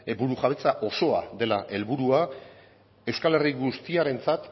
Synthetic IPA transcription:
elβuɾuʝaβe̞t͡saʔo̞so̞a̰ðe̞laʔe̞lβuɾua | e̞wskale̞riɣust̪iaɾe̞nt͡sat̪

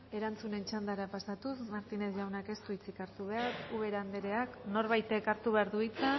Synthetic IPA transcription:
e̞ɾant͡sune̞nt͡ʃand̪aɾapasat̪usmaɾt̪ine̞sʝawnake̞st̪uit͡sikaɾt̪uβ̞eaɾuβe̞ɾaːnd̪eɾeakno̞ɾβajt̪ekaɾt̪uβeaɾðuit͡sa

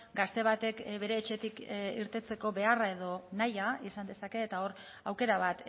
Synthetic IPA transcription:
ɡast̪e̞β̞at̪e̞kβe̞ɾe̞ːt͡ʃe̞t̪ikiɾt̪e̞t͡se̞ko̞βe̞arae̞ðo̞najaisand̪e̞sake̞ːt̪ao̞ɾ | awke̞ɾaβ̞at̪

